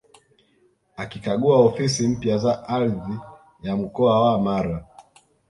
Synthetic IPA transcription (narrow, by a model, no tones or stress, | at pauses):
akikaɠuaɔfisim̩pjazaʔaɾði | jam̩kɔawaːmaɾa